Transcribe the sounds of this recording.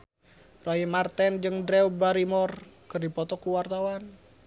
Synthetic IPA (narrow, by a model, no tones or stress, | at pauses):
raimart̪ɛnd͡ʒɨŋdɾɛwbaɾimɔrkɨrdipɔt̪ɔkuwart̪awan